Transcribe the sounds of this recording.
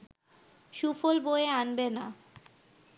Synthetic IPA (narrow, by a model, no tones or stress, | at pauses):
ʃufolboeanbena